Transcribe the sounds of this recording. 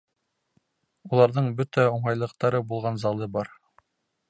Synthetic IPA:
ulˠɑɾðɤɴbɵt̪æŏɴɑjlˠɤ̆q̚t̪ɑɾɤbulˠʁɑnzɑlˠɤbɑɾ

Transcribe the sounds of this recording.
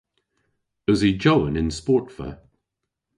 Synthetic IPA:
əzid͡ʒoʊə̃nɪ̃nspɔˑtfə̰

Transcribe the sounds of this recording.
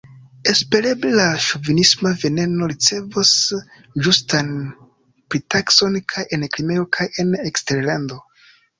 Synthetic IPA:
e̞spe̞ɾe̞blelaʃuvinismave̞ne̞no̞ɾit͡se̞vos | d͡ʒustan | pɾitakso̞nkʰajʔe̞nkɾime̞o̞kʰajenekste̞ɾlando̞

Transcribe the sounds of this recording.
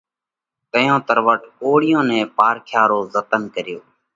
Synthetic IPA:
t̪əjõːt̪əɾʋəʈoːɽɪjõːnɛ̃ːpaːɾkʰjaːɾoːzət̪ənkəɾjoː

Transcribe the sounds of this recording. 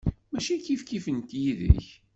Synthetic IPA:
mæʃikifkifənt̪jiðə̰ç

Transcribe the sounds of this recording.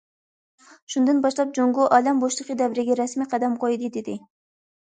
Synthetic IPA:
ʃund̪ɨnbɑʃlˠɑp̚d͡ʒoŋɡʊʔɑːlɛmboʃlˠəqəd̪ɛvɾɪɡʲɛɾɛsmiqʰæd̪ɛmqʰojd̪ɨd̪ɪd̪ɪ

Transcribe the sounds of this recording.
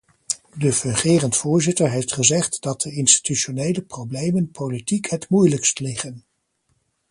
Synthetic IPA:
dəfɵŋχɪːrəntfʊːɹzɪtəɹɦejftχəzɛχtd̥ɑt̚dəɪnsti̥tyʃonejləprowblejmənpolitikɦətmujləkstlɪχən

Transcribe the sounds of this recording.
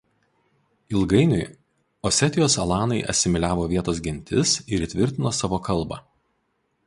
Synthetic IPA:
ɪlˠɡɐɪnʲʊɪ | ɔsʲɛt̪ʲɪjoːsɐlˠɑːnɐɪʔɐ̰sʲɪmʲɪlʲæːʋoːʋʲiɛt̪oːs̬ɡʲɪnʲt̪ʲɪ̰sɪɾit̪ʲʋʲɪɾʲt̪ʲɪnoːsɑːʋoːkɐlˠˑbɑ̰

